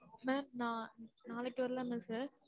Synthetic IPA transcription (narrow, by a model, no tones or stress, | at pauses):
mɛːmnãːnaːlɛkːɯʋɐɾɯlãːmɛːsɯ